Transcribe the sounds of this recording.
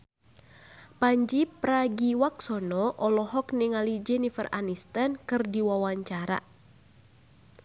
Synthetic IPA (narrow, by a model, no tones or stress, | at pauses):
paɲd͡ʒipɾaɡiwaksɔnɔʔɔlɔɦɔkniŋalid͡ʒɛnifə̰ra̰nist̪ankɨrdiwawaɲt͡ʃaɾa̰